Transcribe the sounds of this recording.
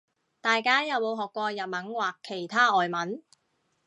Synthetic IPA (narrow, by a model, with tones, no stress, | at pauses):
t̪aː˨jkaː˥jɐ˨˩wmo˨˧wɦɔː˨kːʷɔː˧jɐ˨t̚mɐ˨˥nwaː˨˩kʰːe˨˩jt̪ʰaː˥ʔɔː˨jmɐ˨˥n